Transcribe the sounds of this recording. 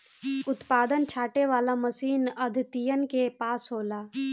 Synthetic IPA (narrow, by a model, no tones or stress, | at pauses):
ʊt̪paːd̪ənt͡ʃʰaːʈeʋaːlaməsiːnəd̪ʱɪt̪ijənkepaːsɦoːlaː